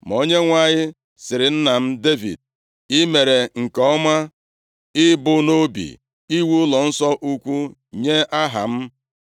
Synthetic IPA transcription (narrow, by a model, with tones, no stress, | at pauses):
m˨o˦ɲe˦ŋʷa˨ɲɪ˦ | sɪ˨ɾɪ˨n̩˦na˨m̩˦de˦vḭ˨d̚ | ɪ˦me˨ɾe˨ŋ̩˨kɔ˦ma˦ | ɪ˦bʊ˦no˦bḭ˨ | i˦wu˦ʊ˦lɔ˨n̩˦sɔ˦ʔu˦kʷu˦ɲe˦ʔa˦ɦa̰˨m̩˦